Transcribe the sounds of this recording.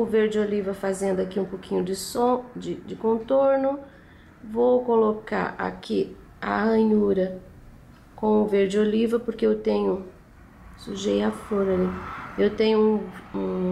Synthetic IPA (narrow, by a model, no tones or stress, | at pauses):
ʊveɾd͡ʒɪolivɐfazẽnd̪ʊakiũpokĩɲʊd͡ʒɪsod͡ʒɪd͡ʒɪkõnt̪oɾnʊ | vowkoloka̰ɾʔa̰ki | a̰ɐ̃ɲuɾɐ | kõw̃ʊveɾd͡ʒɪolivɐpoɾkeewt̪ẽɲʊ | suʒejafloɾɐliewt̪ẽɲʊũũ